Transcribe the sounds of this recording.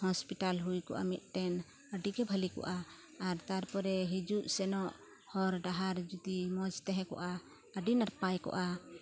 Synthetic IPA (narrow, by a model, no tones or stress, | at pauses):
hɔspiʈalɦujkɔ̰ʔa̰mit̪̚ˀʈɛn | əɖikɛbʱəlikɔ̰ʔaː | ɾt̪aɾpɔɾɛɦid͡ʒuʔsɛnɔʔ | hɔɾɖaɦaɾd͡ʒut̪imɔd͡ʒt̪ɛɦɛ̃kɔ̰ʔa | əɖinaɾpajkɔ̰ʔa